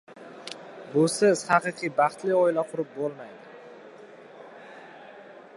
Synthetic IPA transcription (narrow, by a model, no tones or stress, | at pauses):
bʊsɪz̥hɑqɨqʰɨjbɑχt̪lɪɒɪlaqʰʊɾɪp̚bolˠmajd̪ɪ